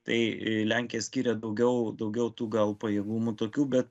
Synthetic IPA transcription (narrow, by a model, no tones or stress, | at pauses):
t̪ɐ̰ɪlʲæˑŋʲkʲɪjɛsʲkʲiːɾʲɛd̪ɐʊɡʲɛʊd̪ɐʊɡʲɛʊt̪uːɡɐlˠpɐjeːɡuːmut̪oːkʲuːbʲɛt̪